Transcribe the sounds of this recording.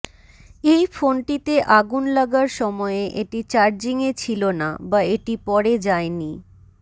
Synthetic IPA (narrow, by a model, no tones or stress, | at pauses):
ejfonʈit̪eʔaɡunlaɡaɾʃɔmɔeʔeʈit͡ɕaɾd͡ʑiŋet͡ɕʰilona̰baeʈipɔɾed͡ʑaeni